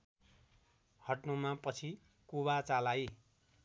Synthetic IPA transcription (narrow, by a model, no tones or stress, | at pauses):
hʌʈnumãpʌt͡sʰi | kubat͡salaj